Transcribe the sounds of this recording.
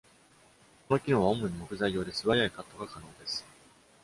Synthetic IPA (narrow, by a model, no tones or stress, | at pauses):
ko̞no̞kʲino̞ːβaomoɲ̟imo̞kɯ̟zaijo̞ːd̪e̞sɨβajaikat̪ːo̞ɡakano̞ːd̪e̞sɨ̥